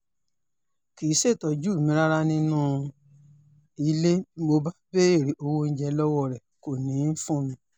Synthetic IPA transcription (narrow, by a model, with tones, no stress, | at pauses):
ki˨˦se˦˨tɔ˨d͡ʒuː˦˨mĩ˧˦ɾa˦ɾa˦nĩ˦nũ˦˧ | i˧˦le˦mo˧ba˦be˦e˦˨ɾi˨˦ʔo˧wo˦n̩˦d͡ʒɛ˧lɔ˦wɔ˦˨ɾɛ˨ko˨nĩ˨˦n̩˦fũ˦˨mĩ˧